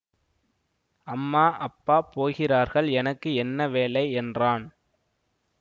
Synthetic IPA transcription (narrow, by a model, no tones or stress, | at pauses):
ɐmːaːʔɐpːaːpoːɣɪraːɾɣɐɭɛnɐkːɯɛnːɐʋeːlɐɪɛndraːn